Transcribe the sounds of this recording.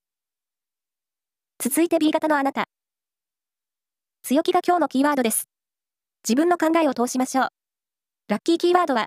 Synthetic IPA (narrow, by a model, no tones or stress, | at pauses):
t͡sɨzɨit̪e̞bʲiɡat̪ano̞anat̪a | t͡sɨjo̞kʲiɡakʲo̞ːno̞kʲiːβaːd̪o̞d̪e̞sɨ̥ | d͡ʑibɯ̟̃nːo̞kãŋɡae̞o̞t̪o̞ːɕimaɕo̞ː | ɾakʲːiːkʲiːβaːd̪o̞βa